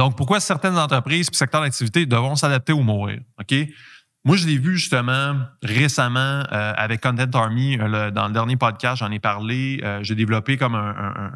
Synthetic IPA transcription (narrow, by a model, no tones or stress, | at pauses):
d̪ɔ̃k̚pʊʁkwasɛʁt̪ɛnzɑ̃t̪ʁəpʁiːz̥pi̥sɛkt̪œːʁd̪ak̚t̪ivit̪ed̪əvɔ̃s̬ad̪ap̚t̪eomuːʁḭːʁɔkʲe | mwaʒəlevyʒyst̪əmɑ̃ʁesamɑ̃øa̰vɛkːɔ̃nt̪ɛ̃nt̪̬ɑɹmiləd̪ɑ̰̃ləd̪ɛʁnjepɔd̪̚kʲast̪ʒɑ̃nepaʁleəʒəed̪evlɔpekɔmə̃ə̰̃